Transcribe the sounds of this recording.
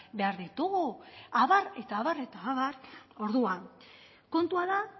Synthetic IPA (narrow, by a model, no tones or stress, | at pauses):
be̞aɾðit̪uɣuaβare̞t̪aːβare̞t̪aːβaro̞ɾðuan | ko̞nt̪uaða